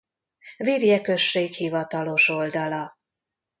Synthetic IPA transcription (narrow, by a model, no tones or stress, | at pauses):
virjɛkø̞ʃːeːkhivɒt̪ɒlo̞ʃo̞ld̪ɒlɒ